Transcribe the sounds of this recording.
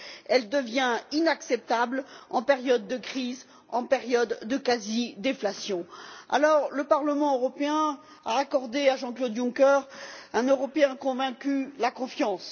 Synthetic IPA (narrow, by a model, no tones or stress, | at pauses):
ɛld̪əvjɛ̃inaksɛp̚t̪ablɑ̃peʁjɔd̪ːəkχiz | ɑ̃peʁjɔd̪ːəkazid̪eflasjɔ̃a̰lɔʁləpaʁləmɑ̃øʁɔpeɛ̃ | a̰ːkɔʁd̪eaʒɑ̃klod̪jũkɛʁɛ̃nøʁɔpeɛ̃kɔ̃vɛ̃kʲylakɔ̃fjɑ̃s